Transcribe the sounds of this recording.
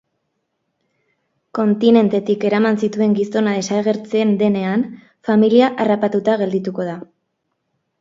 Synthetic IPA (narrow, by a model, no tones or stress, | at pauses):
ko̞nt̪ine̞nt̪e̞t̪ike̞ɾamansit̪ue̞ŋɡiso̞nað̞e̞saɣ̞e̞ɾt͡send̪e̞ne̞an | familiaʔarapat̪ut̪aɣe̞ld̪it̪uko̞ða